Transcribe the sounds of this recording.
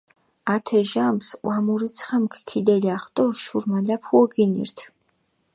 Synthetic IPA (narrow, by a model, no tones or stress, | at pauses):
at̪ʰɛʒamsqʼwamuɾit̪sʰχamkʰkʰid̪ɛliaχt̪ʼɔʃuɾmalapʰuɔɡinḭɾt̪ʰ